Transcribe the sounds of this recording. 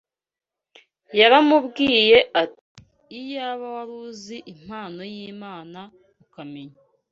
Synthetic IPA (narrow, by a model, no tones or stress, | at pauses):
jaɾamubɡiːje̞ʔat | i̥ː | jaːβawaɾuːziʔim̥haːno̞jiːmaːna | ukameɲa